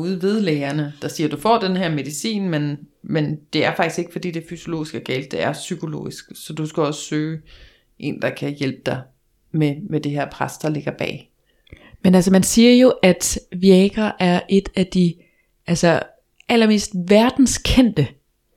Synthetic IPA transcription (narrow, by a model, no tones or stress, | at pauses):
uðˠʋe̝ð̞ˠleːɐnəd̥ɑ̈siːɐd̥ufɒ̰ːd̥enhæɐ̰me̝ðˠisḭːnmen | mend̥e̝æɐfɑ̈ɡ̥isɡ̥e̝ɡ̥əfɒ̽d̥ḭːd̥efyso̝lo̝̰ːisɡ̥æɡ̥ɛ̰ːld̥e̝æɐsykʰo̝lo̝̰ːisɡ̥sɒ̽d̥usɡ̥æɒ̽sə̥søː | ʔe̝̰ːnd̥ɑ̈kʰæjel̰b̥əd̥ɑ̈ɪ | memed̥e̝ɦeɐ̰pʰʁasd̥ɑ̈le̝ɡ̥ɐb̥ɛ̰ː | menæls̬ɐmænsiːɐjo̝ʔæd̥ʋiɛɡ̥ɐʔæɐʔe̝d̥æd̥i | ʔælsɐ | ʔælɐme̝̰ːsd̥ʋæɐd̥n̩skʰen̰d̥ə